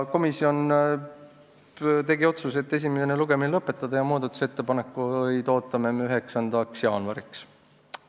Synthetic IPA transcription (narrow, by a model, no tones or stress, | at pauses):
ko̞misio̞n | t̪e̞ɡio̞t̪suse̞t̪ːe̞s̬ʲimeseneluɡ̥e̞minilɤpːˑe̞t̪ːˑɑd̪̥ɑjɑmuːd̪ɑt̪ːˑu̥set̪ːe̞pɑne̞kːˑujt̪o̞ːt̪ːˑɑmemeyɦe̞ksɑnd̪̥ɑksjɑːnvɑɾiks